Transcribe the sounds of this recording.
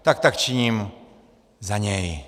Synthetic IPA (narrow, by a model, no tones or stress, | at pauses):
t̪akt̪akt͡ʃiɲim | zaɲɛj